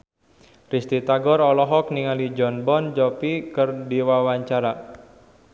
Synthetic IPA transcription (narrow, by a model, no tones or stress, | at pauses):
rist̪it̪aɡɔrɔlɔɦɔk̚niŋalid͡ʒɔnbɔnd͡ʒɔpikərdiwawaɲt͡ʃaɾa